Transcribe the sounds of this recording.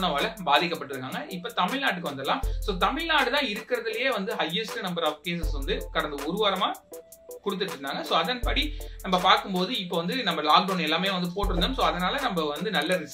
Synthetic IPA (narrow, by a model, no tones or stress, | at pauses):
nɐʋaːlɐbaːðɪkːɐpːɐʈːɪɾɯkːaːŋɡɐʔɪpːoːt̪ɐmɪɻnaːʈːɯkːɯʋɐnd̪ɐlːãːsoːt̪ɐmɪɻnaːɽɯt̪ãːɪɾɯkːɪɾɐðɯlɐjeːʋɐnd̪ɯɦɐjːɛsʈɯnɐmbɐɾaːpkeːs̬ɛsʋɐnd̪ɯkɐɽɐnd̪ɐʊɾɯʋaːɾɐmaː | kʊɽɯt̪̬ːɯʈːɯɾɯnd̪aːŋɡɐsoːɐðɐnpɐɽinɐmbɐpaːɾkɯmpoːðɯɪpːoːʋɐnd̪ɯnɐmbɐlaːk̚ɖoʊnɛlːaːmejeːʋɐnd̪ɯpoːʈːɪɾɯnd̪ɐːmsoːɐðɐnaːlɐnɐmbɐʋɐnd̪ɯnɐlːɐɾɪs